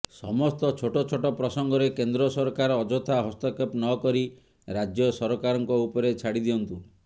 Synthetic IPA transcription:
sɔ̰mɔst̪ɔt͡ʃʰoʈɔt͡ʃʰoʈɔpɾɔsɔŋɡɔɾekend̪ɾɔsɔɾkaɾɔːd͡ʒɔt̪ʰaɦɔst̪ɔkepnɔkɔɾi | ɾad͡ʒjɔsɔɾɔkaɾɔŋkɔupɔɾet͡ʃʰaɽid̪iɔnt̪u

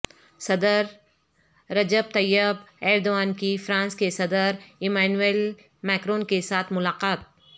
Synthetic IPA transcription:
sɐd̪əɾː | ɐd͡ʒəb̚t̪ɐjːəbɛːɾd̪oaːnkifɾãːnskesɐd̪əɾɪmaːnueːl | mɛːkɾõːnkesaːt̪ʰmʊlaːqaːt̪̚

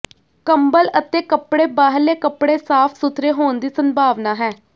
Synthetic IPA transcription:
kəmbələt̪eːkəpɽeːbaːɦəlːeːkəpɽeːsaːpʰsʊt̪ʰɾeːɦoːnd̪iːsənbʱaːʋnaːɦɛː

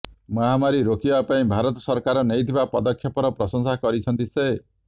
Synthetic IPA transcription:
mɔɦamaɾiɾokibapaĩbʱaɾɔt̪ɔsɔɾkaɾɔneit̪ʰibapɔd̪ɔkʰːjɔpɔɾɔpɾɔsɔŋsakɔɾit͡ʃʰɔnt̪ise

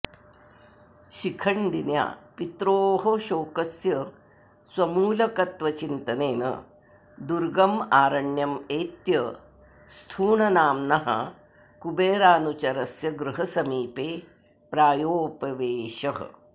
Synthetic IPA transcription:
ʃikʰɐɳɖinja̰ːpit̪ɾoːɦoʃoːkɐsjɐ | swɐmuːlɐkɐt̪ʋɐt͡ʃint̪ɐneːnɐ̰ | d̪uɾɡɐmaːɾɐɳjɐmeːt̪jɐ | st̪ʰuːɳɐnaːmnɐɦɐ̰ | kubeːɾaːnut͡ʃɐɾɐsjɐɡɾɨɦɐsɐmiːpeː | pɾaːjoːpɐʋeːʃɐɦɐ̰

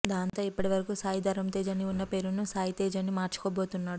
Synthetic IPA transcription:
d̪aːnt̪o̞ːipːɐʈiʋɐɾɐkusaːjid̪ʱɐɾɐmt̪eːd͡ʒɐniunːɐpe̞ːɾunusaːjit̪eːd͡ʒɐnimaːɾt͡ʃu̥koːbo̞ːt̪unːaːɽu

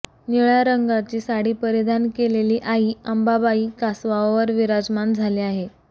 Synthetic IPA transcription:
niɭjaɾəŋɡat͡ɕiːsaɽiːpəɾid̪ʱankeleliːʔaɦiːəmbabaiːkasʋaʋəɾʋiɾad͡zmand͡zʱaliaɦe

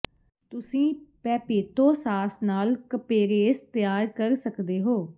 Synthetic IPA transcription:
t̪ʊsĩːpɛːpeːt̪õːsaːsnaːlkəpeːɾeːst̪ɪjaːɾkəɾsəkd̪eːɦoː

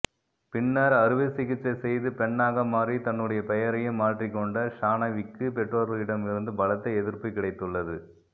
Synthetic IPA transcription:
pɪɳːɐɾɐɾɯʋɪsɪɣɪt͡ʃːɐsɛjðɯpɛɳːaːɣɐmaːrit̪ɐnːɯɽɐjɐpɛjɐɾɐjɯmːaːʈrikːɔɳɖɐʂaːnɐʋɪkːɯpɛʈrɐɾɐɪɽɐmɪɾɯnd̪ɯbɐlɐt̪ːɐɪɛðɪɾpɐkːɪɽɐɪt̪ːɯɭːɐðɯ

